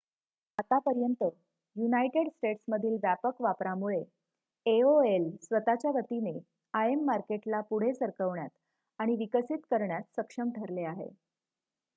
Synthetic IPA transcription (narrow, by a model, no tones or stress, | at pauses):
at̪apəɾjənt̪ə | junajʈeɽsʈeʈsməd̪ʱiːlʋjæpəkʋapɾamuɭe | eoelsʋət̪at͡ɕjaʋət̪ine | aemːaɾkeʈlapuɽ̤esəɾkəʋɳjat̪ | aɽ̃iʋikəsit̪kəɾɳjat̪səkʂəmʈʰəɾleaɦḛ